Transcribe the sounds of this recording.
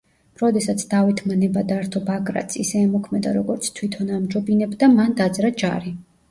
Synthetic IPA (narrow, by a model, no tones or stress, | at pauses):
ɾɔd̪ɛsat̪sʰd̪avɛt̪ʰmanɛbad̪aɾt̪ʰɔbaɡɾa̰t̪sisɛːmɔkʰmɛd̪a̰ɾɔɡɔɾt̪sʰt̪ʰwit̪ʰɔnamd͡ʒɔbinɛbd̪amand̪ad̪zɾad͡ʒa̰ɾi